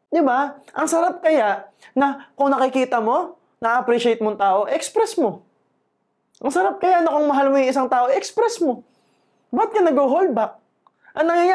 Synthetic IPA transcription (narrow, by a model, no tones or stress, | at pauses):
d̪ɪbaʔɐŋsɐɾap̚kɐjaʔnɐkʊŋnɐkɪkiːt̪ɐmo̞ | nɐɐpɾiʃɪejt̪̚moŋt̪aːʔo̞ʔɛkspɾɛsmo̞ | ʔɐŋsɐɾap̚kɐjanɐkoŋmɐɦalmojʊŋɪs̬aŋt̪aːʔo̞ʔɛkspɾɛsmo̞ | bt̪̚kɐnɐɡhoɦolbɐk̚ | ʔɐnɐŋaja